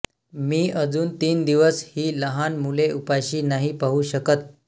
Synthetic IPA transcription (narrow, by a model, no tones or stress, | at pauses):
miːəd͡zuːnt̪iːnd̪iʋəshiːləɦanmuleʔupajɕiːnaɦipaɦuɕəkət̪̚